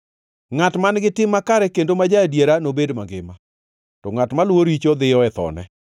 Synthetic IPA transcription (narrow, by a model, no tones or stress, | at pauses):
ŋatmanɡɪtɪmːakaɾɛkendomad͡ʒadjeɾanobedmaɡɪ̰ma | tɔŋatmalwoɾit͡ʃod̪ɪjɔɛt̪ɔ̰nɛ̰